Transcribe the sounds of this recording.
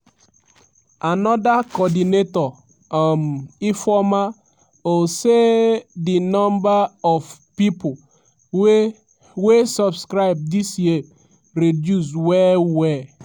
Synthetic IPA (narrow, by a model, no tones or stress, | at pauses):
anɔdakɔdinetɔ | mifɔma | osedinɔ̃mbaɔvpipo | wesɔbskɾaɪb̚disjie | ɾedjus̬wɛwɛ